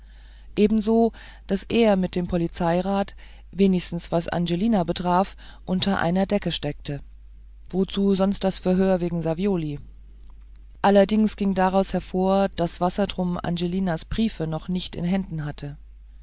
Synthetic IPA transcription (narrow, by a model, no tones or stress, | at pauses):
ʔeːbm̩zoː | d̥asʔeːɐmɪt̚d̥eːmpʰɔlit͡saɪʁaːt | veːnɪçstn̩sv̥asʔa̰nd͡ʒeliːnabətʁ̥aːɐfʔʊntʰɐʔa̰ɪnɐdɛkəʃtɛk̚tʰə | v̥ot͡suːzɔnst̚d̥asfɛɐɦøːɐveːɡŋ̩zavjoːli | ʔalɐdɪŋsɡ̥ɪŋdaʁaʊshɛɐfoːɐd̥asv̥asɐdʁʊmʔa̰nʒeliːnasb̥ʁiːfənɔχnɪçtɪ̰nɦɛndn̩ɦatʰə